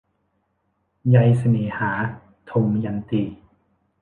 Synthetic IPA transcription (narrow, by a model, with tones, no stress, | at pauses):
ja˧jsa˧neː˨˩˦haː˩˦ | t̪ʰo˧mja˧nt̪iː˧